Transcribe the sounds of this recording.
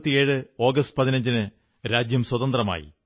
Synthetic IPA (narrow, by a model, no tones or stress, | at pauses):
t̪ːije̞ːɻɨo̞ːɡɐstɨ̥pɐðinɐɲd͡ʑinɨ | ɾaːd͡ʑjɐmswɐðɐnd̪rɐma̰ːjḭ